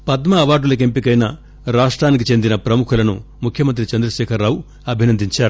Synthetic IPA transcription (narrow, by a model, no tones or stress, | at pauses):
pɐd̪mɐːʋaːɖulɐk̬empikɐjnɐ | ɾaːʂʈɾaːnik̬it͡ʃe̞nd̪inɐpɾɐmukʰulɐnṵ | mukʰjɐmɐnt̪̬ɾit͡ʃɐnd̪ɾɐʃɛːkʰɐɾːaːwu | ɐbʱinɐnd̪iɲt͡ʃaːɾu